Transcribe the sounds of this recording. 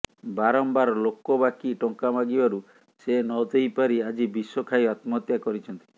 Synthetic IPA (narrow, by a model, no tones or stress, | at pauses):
baɾɔmbaɾlokɔbakiʈɔŋkamaɡibaɾu | senɔd̪ejpaɾiad͡ʒibiswɔkʰajat̪mɔt̪jakɔɾit͡ʃʰɔnt̪i̥